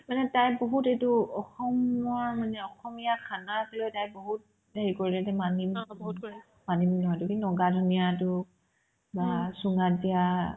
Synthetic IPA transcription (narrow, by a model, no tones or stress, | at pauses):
manɛtajboɦutetuɔxɔmɔɹmanɛɔxɔmijakʰanaslojtajboɦut̚ | bʱeɹikoɹilɛtamani | manimnɔɦɔjtʊkinɔɡadʱunijatʊ | basuŋazija